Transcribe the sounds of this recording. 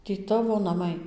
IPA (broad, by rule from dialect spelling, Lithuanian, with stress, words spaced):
tʲiː ˈtɑːʋoː nɐˈmɐɪ